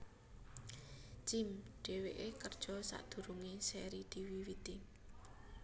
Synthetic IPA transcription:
d͡ʒ̥imɖ̥e̤weʔekərd̥ʒ̥ɔ̤sa̰d̪̥ṳɾuŋeseɾid̪̥i̤wiwid̪̥im

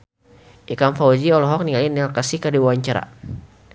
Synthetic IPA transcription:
ʔikamfaud͡ʒiɔlɔɦɔk̚niŋalinialkasikardibawaɲt͡ʃaɾa̰

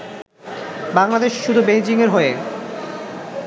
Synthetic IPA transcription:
baŋlad̪eʃʃud̪ʱubejd͡ʑiŋeɾɦoe

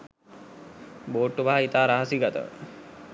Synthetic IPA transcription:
boːʈːuʋaɦait̪aːɾaɦəsiɡat̪ə̰ʋə̰

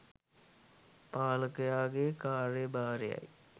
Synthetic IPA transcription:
paːləkəjaːɡekaːɾebaːɾeja̰j

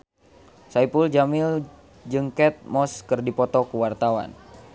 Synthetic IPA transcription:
saipuld͡ʒamɪl | d͡ʒɨŋkɛt̪̚mɔskɨrdipɔt̪ɔkuwart̪awa̰n

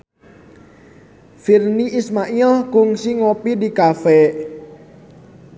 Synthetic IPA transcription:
firniʔismaʔilkʊŋsiŋopidikafɛ

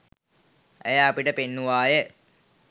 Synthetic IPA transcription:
ḛjaɐpiʈəpenːuʋaːjə

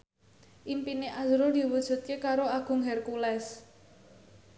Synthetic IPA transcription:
ʔimpineʔazɾod̪̥i̤wud̥ʒ̥ṳt̪̚kekaɾoaɡ̥ʊ̤ŋɦɛrkulɛs

